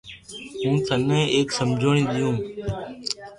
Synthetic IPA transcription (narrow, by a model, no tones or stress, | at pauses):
ɦũːt̪ənẽːʔeːksəmd͡ʒʱoːɳĩːɗ̪ɪjũː